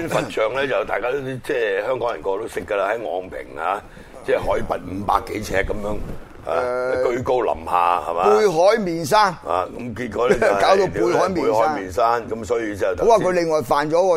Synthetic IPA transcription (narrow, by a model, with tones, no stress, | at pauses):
y˥nffɐ˨t̚t͡ʃœː˨ŋlɛː˥t͡sɐ˨wt̪aː˨jkaː˥t̪o˥t͡sɛː˥˩hœː˥ŋkɔː˨˥ŋjɐ˨˩nkɔː˧t̪o˥wsɪ˥kːə˧la˧hɐ˨˦jŋɔ̰ː˨˧ŋpʰɪ̰˨˩ŋha̰ː˧ | t͡sɛː˥˩hɔː˨˥jiː˧˩pɐ˨t̚m̩˨˧pa̰ː˧kːe˨˥jt͡sʰɛː˧kːɐ˨˦mjœː˧˥ŋ | ha̰ː˨˧˨kɵ˧ɥko˥wlɐ̰˨˩mha̰ː˨˧hɐ̰˨mapuː˧jɦɔː˨˥jmiː˨˩ns̬aː˥nha̰ː˨kɐ˨˦˥mkiː˧t̚kɔ˨˧˦lɛ˦˥˨kaː˨˥wt̪o˧wpuː˧jhɔː˨˥jmiː˨˧˨jhɔː˨˦˥mmiː˨nsaː˥nkɐ˨˥msɔː˨˥jiː˧t͡sɐ˨wt̪o˨˦waː˨˥kɵ˨˧lɪ˨˩ŋːɔː˨˩jfaː˨nt͡ʃɔː˨˥kɔː˧